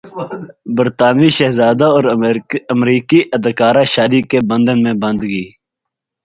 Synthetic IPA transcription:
bəɾt̪aːnʋiːʃeɦzaːd̪aoːɾəmɾiːkiʔəd̪kaːɾaːʃaːd̪iːkebə̃nd̪ənmẽːbə̃nd̪ɡəiː

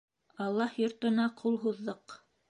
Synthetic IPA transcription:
ɑlˠːɑhjŏɾt̪ŏnɑqʰulˠɦuðːɤq

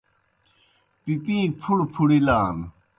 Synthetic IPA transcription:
pipĩːk̚pʰuɽpʰuɽilaːn

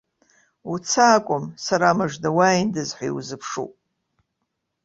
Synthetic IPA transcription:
ut͡sʰaːkʷʼʊmsaɾamɨʐdawaindɨzħʷajiwzɨpʰʂṵpʼ

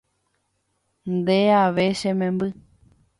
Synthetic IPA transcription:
nd̪eaʋeʃẽmẽmbɨ

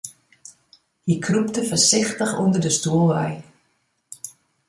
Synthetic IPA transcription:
hikʰrup̚təfərsɪxtəxundərdəstuəlˠʋɛj

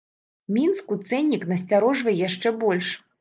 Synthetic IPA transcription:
mʲinskut̪sɛnʲːiknɐsʲt͡sʲaɾɔʐvɐjjaʂt͡ʂɛbɔlʲʂ

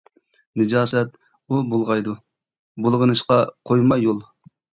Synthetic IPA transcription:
nɨd͡ʒɑːsɛt̪̚ | ubolˠʁɑjd̪u | bolˠʁənɨʃqɑqʰojmɑjolˠ

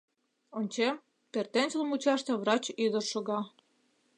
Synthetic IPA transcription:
onʲt͡ɕem | pert̪enʲsəlˠmut͡ɕɑʃt̪ĕβrɑt͡ɕyd̪ərʃoɣɑ

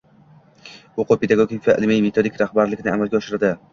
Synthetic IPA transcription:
oqʊpʰed̪aɡoɡʲikʲvaʔɪ̰lmijme̞t̪ʰod̪ikʲɾahbaɾlɪkʲɪnɪamalˠɡʲaɒʃɪɾɪd̪ɪ

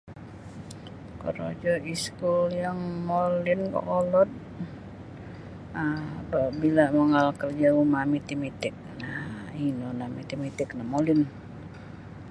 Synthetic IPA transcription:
kə̰ɾo̰d͡ʒɔiskuljaŋmolɪnkɔ̰ʔɔlɔt̪̚ | ababilaməŋalkərd͡ʒaumamit̪imit̪ɪk̚nahinonamit̪imit̪ɪknahmolɪn

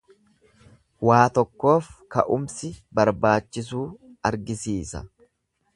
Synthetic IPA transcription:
waːt̪ɔkːo̞ːfkɐ̰ʔʊmsɪbɐɾbaːt͡ʃːɪs̬uːɐɾɡɪsiːsɐ̰

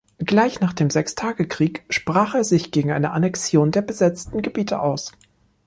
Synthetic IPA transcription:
ɡ̥laɪçnaːχd̥eːmzɛkstʰaːɡəkʁ̥iːkʃpʁ̥aːχeːɐzɪçɡ̥eːɡŋ̩ʔa̰ɪnəʔanɛksjoːndeːɐbəzɛt͡stn̩ɡəbiːtʰə̰ʔaʊs

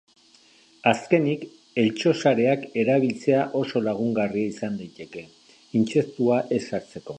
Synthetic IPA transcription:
aske̞nik | e̞lt͡ʃo̞saɾe̞ake̞ɾaβ̞ilt͡se̞aʔo̞so̞laɣ̞uŋɡariaisand̪ajt̪e̞ke̞ | int͡se̞st̪uaʔe̞saɾt͡se̞ko̞

